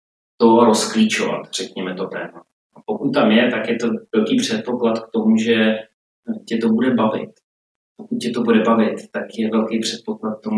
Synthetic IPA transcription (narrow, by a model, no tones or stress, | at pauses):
t̪oɾosklit͡ʃova̰t̪r̝̥ɛkɲɛmɛt̪ot̪ɛ̰ːma | ʔapokut̪̚t̪amjɛt̪akjɛt̪o̞vɛlkiːpr̝̥ɛt̪̚po̞klat̪kt̪omuʒɛ | cɛt̪o̞budɛbavɪ̰t̪ | pokut̪̚cɛt̪o̞budɛbavɪt̪ːakjɛvɛlkɛjpr̝̥ɛt̪̚po̞klat̪̚k̚t̪omu